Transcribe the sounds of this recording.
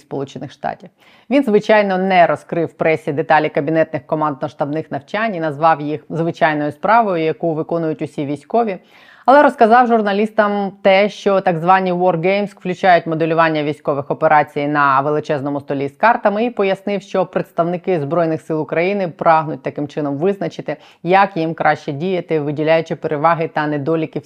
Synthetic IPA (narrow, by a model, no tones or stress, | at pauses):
spɔlˠut͡ʃenɪxʃt̪ɑ̰tʲiw | ʋʲinzʋɪt͡ʃɑjnɔnɛɾɔskɾɪwpɾɛsʲid̪et̪ɑlʲikɐbʲinɛt̪nɪxkɔmɑnd̪nɔʃt̪ɐbnɪxnɐwt͡ʃanʲinɐzʋɑwjixzʋɪt͡ʃɑjnɔjʊspɾɑʋɔjʊjɐkuʋɪkɔnʊjʊtʲʊsʲiʋʲijsʲkɔʋʲi | ɐlˠɛɾɔskɐzɑwʒʊrnɐlʲist̪ɐmt̪ɛʃt͡ʃɔt̪ɐɡzʋɑnʲiʋɔrɡejmsklʲʉt͡ʃajʊtʲmɔd̪elʲʊʋɑnʲːɐʋʲijsʲkɔʋɪxɔpeɾʔɑt͡sʲijnɐʋelˠɪt͡ʃɛznɔmʊst̪ɔlʲiskɑrt̪ɐmɪipɔjɐsnɪwʃt͡ʃɔpɾet̪st̪ɐwnɪkɪzbɾɔjnɪxsɪlˠʊkɾɐjinɪpɾʔɑɦnʊt̚ʲt̪ɐkɪmt͡ʃɪnɔmʋɪznɐt͡ʃɪt̪ɪ | jɐkjimkɾʔɑʃt͡ʃɛdʲijɐt̪ɪʋɪdʲilʲajʊt͡ʃɪpeɾeʋɑɦɪt̪ɐnɛd̪ɔlʲikʲɪ